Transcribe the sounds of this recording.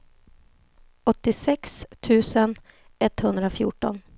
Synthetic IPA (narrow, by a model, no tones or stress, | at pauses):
ɔt̪ːɪsɛkst̪ʰʉ̟ːsən | ʔɛt̪hɵnd̪ɾafjṵːʈɔ̰n